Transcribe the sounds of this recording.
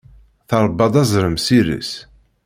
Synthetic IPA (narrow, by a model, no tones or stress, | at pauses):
θɑɾˤbːɑd̪ˤɑzˤɾəmsiɾḭs